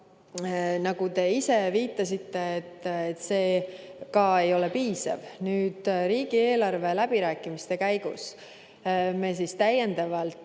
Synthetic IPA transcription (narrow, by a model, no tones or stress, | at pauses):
nɑɡ̥ut̪e̞ise̞viːt̪ːˑɑsit̪ːe̞ːt̪ːˑet̪ːse̞ː | kɑe̞jo̞le̞piːsɑ̰vnyːd̪̥ɾiːɡ̥ie̞ːlɑrve̞læb̥iɾæːkːˑimist̪e̞kæjɡ̥ṵs | me̞s̬ist̪æjend̪̥ɑvɑlt̪